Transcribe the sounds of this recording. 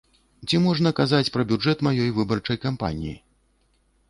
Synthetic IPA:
t͡sʲimɔʐnɐkazat͡sʲpɾɐbʲud͡ʐɛt̪majɔjvɨbɐrt͡ʂɐjkampa̰nʲḭjḭ

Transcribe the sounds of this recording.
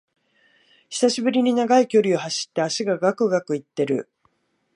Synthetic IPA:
çi̥saɕibɯ̟ɾʲiɲ̟inaɡaikʲo̞ɾʲiohaɕi̥t̪ːeaɕiɡaɡakɯ̟ɡakɯ̟it̪ːe̞ɾɯ̟

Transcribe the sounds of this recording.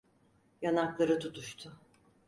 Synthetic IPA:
janaklˠaɾɯt̪ʰut̪ʰuʃt̪ʰʊ

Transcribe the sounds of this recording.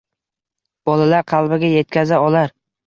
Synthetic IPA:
b̥ɒlalaɾqʰɑlˠbɪɡʲaje̞t̪kʲʰazaɒlaɾ

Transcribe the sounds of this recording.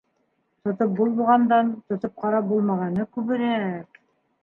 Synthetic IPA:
t̪ŏt̪op̚bulˠmuʁɑnd̪ɑnt̪ŏt̪ɤp̚qɑɾɑbulˠmɑʁɑnɤkʉβɘ̆ɾæ

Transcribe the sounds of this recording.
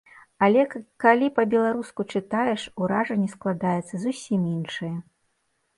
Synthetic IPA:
alʲɛkalʲipɐbʲɛlˠaɾuskut͡ʂɨt̪ajɛʂuɾaʐɐnʲːɛsklˠad̪ajɛt̪sːɐzusʲiminʂɨjɐ

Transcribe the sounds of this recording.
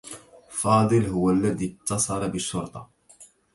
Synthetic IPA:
fɑːd̪ˤɨlhʊwælːæd̪it̪ːɑsˤɑɾˤɑbɪʃːʊɾt̪ˤɑ̰

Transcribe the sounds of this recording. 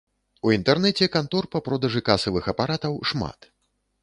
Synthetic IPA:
uint̪ɛrnɛt͡sʲɛkant̪ɔrpɐpɾɔd̪ɐʐɨkasɐvɨxɐpaɾat̪ɐwʂma̰t̪

